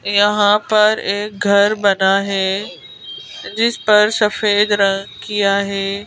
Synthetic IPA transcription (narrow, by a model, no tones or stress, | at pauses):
jɐɦãpɐɾek̚ɡʱɐɾbɐnaːɦeː | d͡ʑɪspɐɾsɐfeːd̪ɾɐ̃ŋɡkijaːɦeː